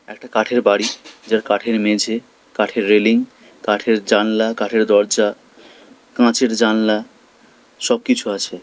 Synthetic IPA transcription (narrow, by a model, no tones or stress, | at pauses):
ɛkʈakaʈʰeɾbaɽid͡ʑaɾkaʈʰeɾmed͡ʑʱe | kaʈʰeɾːeliŋ | kaʈʰeɾd͡ʑanlakaʈʰeɾd̪ɔɾd͡ʑa | kãt͡ɕeɾd͡ʑanla | ʃɔb̚kit͡ɕʰuat͡ɕʰe